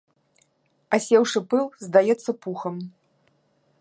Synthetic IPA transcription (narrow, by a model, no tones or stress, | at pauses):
ɐsʲɛwʂɨpɨlˠzd̪ajɛt̪sːɐpuxɐm